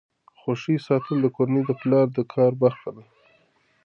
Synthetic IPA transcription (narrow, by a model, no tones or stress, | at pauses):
xoʃisɑt̪əld̪əkoɾaned̪əplɑɾd̪əkʰɑɾbaxk̪ala